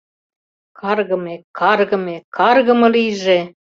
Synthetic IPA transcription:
kʰɑrɣɤ̆mekɑrɣɤ̆mekɑrɣɤ̆mɤ̆liʒe

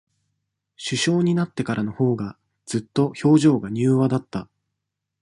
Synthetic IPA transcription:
ɕɨɕo̞ːɲ̟inat̪ːe̞kaɾano̞ho̞ːɡa | d͡z̥ɨt̪ːo̞ço̞ːʑo̞ːɡaɲ̟ɨːβad̪at̪ːa

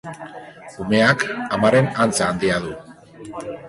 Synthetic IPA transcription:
ume̞akamaɾe̞nant͡saːnd̪iaðu

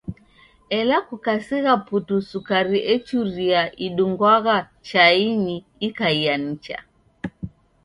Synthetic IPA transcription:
ɛlakukasiɣaputusukaɾiʔɛt͡ʃuɾiaʔiɗuŋɡwaɣa | t͡ʃainiː | kaian̩t͡ʃa̰

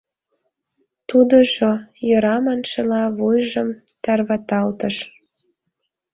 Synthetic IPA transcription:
t̪ud̪əʒojə̆ɾɑmɑnʃelɑβujʒəm | t̪ɑrβɑt̪ɑlt̪əʃ

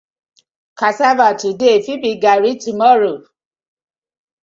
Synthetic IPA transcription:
kasavatidefibiɡaɾitimɔɾo

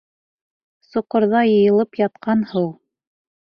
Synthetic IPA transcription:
sŏqŏɾðɑjɤ̆jɤ̆lˠɤpjɑt̪̚qɑnhɤw

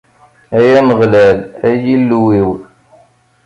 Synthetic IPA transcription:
æjæməʁlælæjilːuwiw

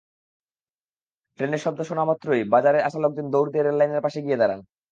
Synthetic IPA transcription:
ʈɾeneɾʃɔb̚d̪oʃonamɔt̪ːɾojbad͡ʑaɾeaʃalok̚d̪ind̪owɾd̪eɾeɖlajneɾpaʃeɡied̪aɾan

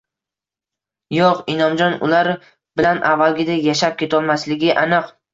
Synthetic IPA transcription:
joqɪnɒmd͡ʒɒnʊ̰laɾ | b̥ɪlanʔavːalˠɡʲɪd̪ajaʃap̚kʲʰe̞t̪ʰɒlˠmaslɪɡʲɪʔanɨq

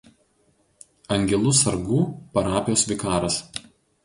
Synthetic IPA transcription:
ɐŋʲɡʲɛlˠʊsɐɾɡuːpɐɾɑːpʲɪjoːsʲʋʲɪkɑːɾɐs

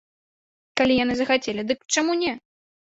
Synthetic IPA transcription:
kalʲijan̪ɨzɐxat͡sʲɛlʲid̪ɨkt͡ʂamunʲɛ

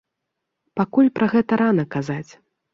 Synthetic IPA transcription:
pakulʲpɾʔɐɣɛt̪ɐɾanɐkazat͡sʲ

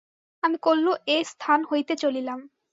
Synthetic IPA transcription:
amikolːoʔest̪ʰanɦojt̪et͡ɕolilam

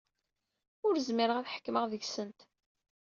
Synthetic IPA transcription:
ʊɾzmɪɾəʁæθħə̥kːməʁðəʝsənt̪

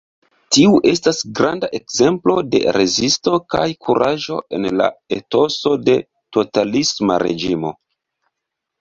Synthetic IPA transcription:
tiuʔe̞stasɡɾʔandaʔe̞kze̞mplo̞de̞̰ɾe̞zisto̞kajkʰuɾʔaʒo̞̰ʔe̞̰nla̰eto̞so̞de̞ | to̞talisma̰ɾe̞̰d͡ʒimo̞̰

